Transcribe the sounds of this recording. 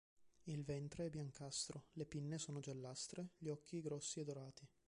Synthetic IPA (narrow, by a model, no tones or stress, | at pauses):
ilvɛnt̪ɾeɛbːjaŋkast̪ɾolepinːesoːnod͡ʒelːast̪ɾeʎɔk̟ːiɡɾɔsːied̪oɾaːt̪i